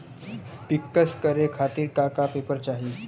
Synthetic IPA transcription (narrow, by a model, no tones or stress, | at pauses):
pikːəskəɾekʰat̪iːɾkakapepəɾt͡ʃaɦi